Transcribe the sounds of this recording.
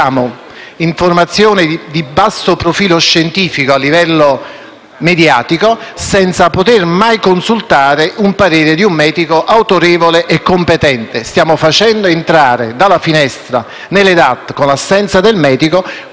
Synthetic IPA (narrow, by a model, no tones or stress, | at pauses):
aːmo | iɱformat̪sːjoːnɪd̪ibasːopɾofiːloʃːent̪iːfikoalːivɛlːo | med̪jaːt̪ikosɛnt̪sapot̪ermajkonsult̪aːɾeʔumpaɾeːɾed̪iumːɛːd̪ikoʔawt̪oɾeːvoleʔekːompet̪ɛnt̪est̪jaːmofat͡ʃɛnd̪oent̪ɾaːɾḛd̪alːafinɛst̪ɾa | nelːed̪at̪ːkonlasːɛnt̪sad̪elmɛːd̪iko